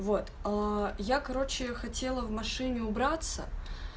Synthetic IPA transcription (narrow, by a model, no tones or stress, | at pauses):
vo̞t̪ajakɐɾo̞t͡ɕɪxɐtʲe̞lˠəvmɐʂɨnʲɪʊbɾat̪sə̰